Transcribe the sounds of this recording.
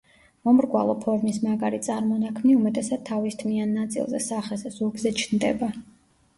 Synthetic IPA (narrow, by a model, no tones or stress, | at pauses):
mɔmɾɡwa̰lˠɔpʰɔɾmismaɡaɾit̪sʼaɾmɔnakʰmniumɛt̪ʼɛsad̪̚t̪ʰavist̪ʰmianːat̪sʼḭlˠzɛ̰saχɛzɛz̥uɡzɛt͡ʃʰnd̪ɛ̰ba